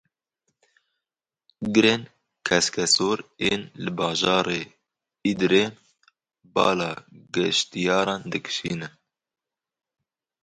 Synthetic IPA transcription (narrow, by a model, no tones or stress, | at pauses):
ɡɨɾeːn | kʰɛskɛsoːɾeːnlɨbɑːʒɑːɾeː | id̪ɾeː | bɑ̰ːlɑːɡɛʃt̪ijɑːɾɑːnd̪ɨkɨ̥ʃiːnɛ